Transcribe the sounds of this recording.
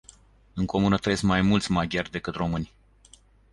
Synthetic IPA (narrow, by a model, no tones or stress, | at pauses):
ɨŋko̞munət̪ɾesmajmult̪sʲmaɡʲarʲd̪e̞kɨt̪ro̞mɨnʲ